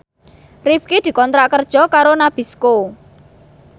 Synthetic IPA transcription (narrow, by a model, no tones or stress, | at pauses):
rifkid̪̥i̤kɔnt̪ɾaʔkərd̥ʒ̥ɔ̤kaɾonab̥i̤sko